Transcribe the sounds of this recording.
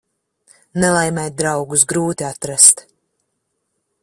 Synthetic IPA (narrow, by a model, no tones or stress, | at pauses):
nɛlˠajmɛjt̪̚d̪ɾawɡus̬ɡɾuːt̪iat̪ɾast̪